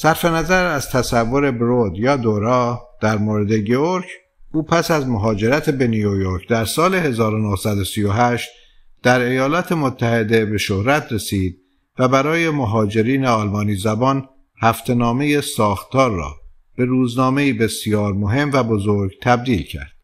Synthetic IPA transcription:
sæɾfe̞næzæɾæz̥t̪ʰæsævːo̞ɾe̞bɾod̪jɒːd̪oɾɒːd̪̥æɾmoːɾe̞d̪e̞ɟeoɾcʰ | uːpʰæsæzmoɦɒːd͡ʒe̞ɾæt̪ʰebe̞nijojoɾkʰd̪æɾsɒːle̞he̞zɒːɾonohsæd̪osijoɦæʃt̪̚ | d̪̥æɾe̞jɒːlɒːt̪ʰe̞mot̪ʰːæhe̞d̪e̞be̞ʃohɾæt̪ʰɾe̞siːd̪̚ | væbæɾɒːje̞moɦɒːd͡ʒe̞ɾiːneɒːlmɒːniːzæbɒn | hæft̪ʰe̞nɒːme̞je̞sɒːxt̪ɒːɾːɒ̰ː | b̥e̞ɾuːznɒːme̞iːbe̞sijɒːɾmo̞ɦe̞mvæbo̞zoɾɡt̪ʰæb̚d̪iːlcʰæ̰ɾd̪̥

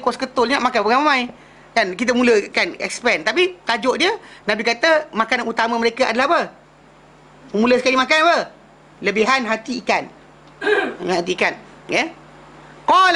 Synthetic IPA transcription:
koskət̪ʊlɲaʔmakanpəɡamamãj | dankit̪̬əmuləkanɛ̰kspɛnt̪apit̪ad͡ʒɔʔdiənabikat̪əmakananut̪amaməɾekaʔadalahbə | əmuləsəkalimakanpə | ləbiɦanɦat̪iːkan | at̪iːkan | ɛ | kɔl

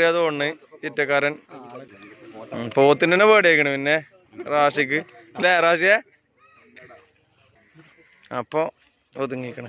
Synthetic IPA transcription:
ijaːðuoɳːɨt͡ɕitːɐkːaːɾɐn | poːt̪ːinenːebeːɽijekʲːɐɳɐmpinːe | raːɕik̬ʲːɨ | leraːɕ̬je | ɐ̰pːo | ot̪ːuŋːikːɐɳɐ

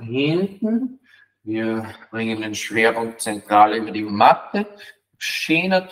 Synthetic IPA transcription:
hɪntn̩ | viːɐb̥ʁɪŋənenʃv̥eːɐpʊŋk̚t͡sɛntʁ̥aːləyːbɐdiːmatə | ʃeːnɐt

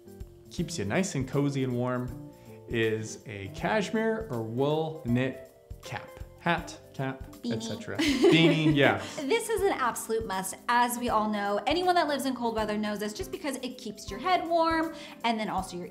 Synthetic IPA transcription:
kʰipsjɨnaɪsɨ̃nkʰoʊziɨ̃nwɔɹm | ɪzɨkʰæʃmɪɹə˞wʊlˠnɪt̚ | kʰæ̰p̚hætkʰæp̚biɨnsĩɛt͡ʃɹɨ̰bĩnĩjæðɪsɨzɨ̃næb̥səlʉt̚mʌsəzwiɔlˠnoʊʔɛñiwʌ̃nðətˡlɪvzɨ̃nkʰoʊlˠd̚wɛðə˞noʊzɨsd̥ʒ̥ʌsb̥ɨkʰʌzɨt̚kʰipsjə˞ɦɛd̚wɔɹm | ɨ̃nðɨ̃ñɔlˠsoʊjə˞

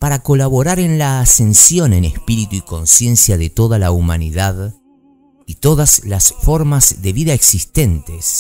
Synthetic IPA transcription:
paɾako̞laβo̞ɾaɾe̞nlaːsensjo̞ne̞nespiɾit̪uiko̞nsje̞nsjaðet̪o̞ðalaumaniðað | it̪o̞ðazlasfo̞ɾmazðe̞βiðaeksist̪e̞nt̪es

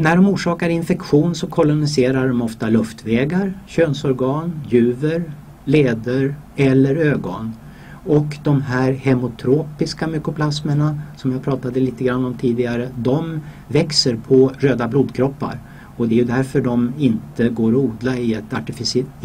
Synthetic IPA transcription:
næɖɔmuːʂɑːkaɾɪnfɛkɧuːnsɔkʰɔlʊnɪseːɾaɖɔmɔft̪alɵft̪vɛːɡaɾɕøːnsɔɾɡɑːnjʉ̟ːvəɾ | leːd̪əɾ | ɛlːəɾøːɡɔn | ɔkd̪ɔmɦæːɾhɛmʊt̪ʰɾoːpɪskamʏkʊpʰlasməɳasɔmjaːpʰɾɑːt̪ad̪əliːt̪əɡɾanːɔmt̪ʰiːd̪ɪɡaɾəd̪ɔm | vɛksəɾpʰɔɾøːd̪abluːd̪kʰɾɔpːa̰ɾ | ɔd̪ɛjɵd̪æɾfœɖɔmɪnt̪əɡoːɾɔuːd̪laɪɛt̪aʈɪfɪs

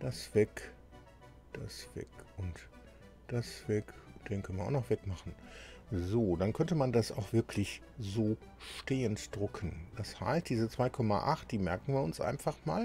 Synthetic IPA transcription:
d̥asv̥ɛk | d̥asv̥ɛ̰kʔʊnt | d̥asv̥ɛkd̥eːnkʰœnəmanʔa̰ʊnɔχv̥ɛkmaχn̩zoːdankʰœntəmandasʔa̰ʊxv̥ɪɐkʰlɪç | zoː | ʃteːəntd̥ʁʊkʰən̩d̥asha̰ɪst̚d̥iːzət͡sv̥aɪkʰɔma̰ʔaχt̚d̥iːmɛɐkn̩viːɐʊnsʔa̰ɪnfaχma̰ːl

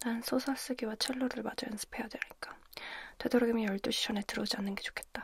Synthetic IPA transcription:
tansʰosʰas͈ɯɡiwat͡ɕʰeɭːoɾɯɭmad͡ʑʌjʌnsʰɯ̥pʰe̞jadweɲik͈ḁte̞doɾoɡimijʌɭt͈uɕʰi̥t͡ɕʰʌne̞tɯɾʌd͡ʑianːɯnɡe̞t͡ɕo̥kʰe̞t̚t͈a

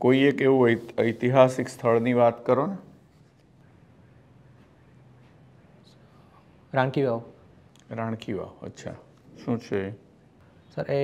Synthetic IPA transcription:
koiekeʋũəjt̪iɦasikst̪ʰəɭniʋat̪kəɾona | ɾãɳkiʋaʋ | ɾãɳ̃kiʋa̰ʋə̰tːʃʰa̰ | ʃũt͡ʃʰe | səɾe

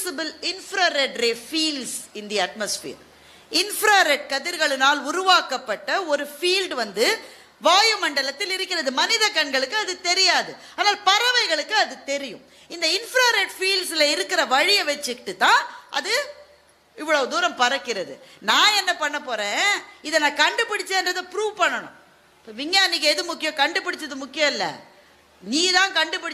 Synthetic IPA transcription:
sɪbɯlɪnfɾaːɾɛɖɾeːfiːlsɪnd̪ijɐɐʈ̚mɐsfḭːɾ | ɪnfɾaːɾɛʈ̚kɐðɪɾɣɐɭɯnaːlʊɾʊʋaːkɐpːɐʈːɐɔɾɯfiːlɖʋɐnd̪ɯ | ʋaːjɯmɐɳɖɐlɐt̪ːɪlɪɾɯkːɪɾɐðɯmɐnɪðɐkːɐɳɡɐɭɯkːɯɐðɯt̪ɛɾɪjaːðɯaːnaːlpɐɾɐʋɐɪɣɐɭɯkːɯɐðɯt̪ɛɾɪjɯ̰̃m | ɪnd̪ɐɪnfɾaːɾeʈfiːlsɪlɐɪɾɯkːɪɾɐʋɐɻɪjɐʋɐt͡ʃːɯkɪʈːɯt̪ːãːʔɐ̰ðɯ | ɪʋːɐɭɐd̪uːɾɐmpɐɾɐkːɪɾɐðɯnãːɛnːɐpɐɳːɐpoːɾẽːɪðɐnãːkɐɳɖɯpːɪɽɪt͡ʃːeːndrɐðɯpɾuːʋpɐɳːɐɳʊ̰̃ | pːoːʋɪŋjaːniːkɐɛðɯmʊkːɪjɔ̃kɐɳɖɯpːɪɽɪt͡ʃːɐðɯmʊkːɪjɐ̃mɪlːɐ̰ | niːt̪ãːkɐɳɖɯpɪɽɪ

